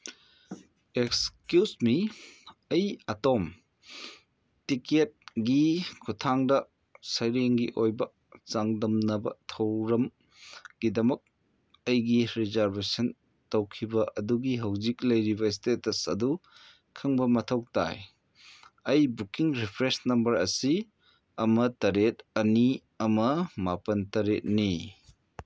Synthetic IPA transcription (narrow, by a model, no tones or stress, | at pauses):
ekskjusmi | ɐjɐtom | tiket̚ɡikʰutʰaŋdɐ | sɐjɾeŋɡiʔojbɐ | t͡ʃaŋdɐmnɐbɐ̰tʰɐwɾɐm | ɡ̥idɐmɐk̚ | ɐjɡiɾizaɾbesɐn | tɐwkʰibɐʔɐduɡiɦɐwziklɐjɾibɐs̬tetɐsɐ̰du | kʰɯŋbɐmɐtʰɐw̚ta̰j | ɐjbukiŋɾipʰɾesnɐmbɐɾɐ̰si | ɐmɐtɐɾetɐni | ɐmɐmapɐntɐɾet̚ni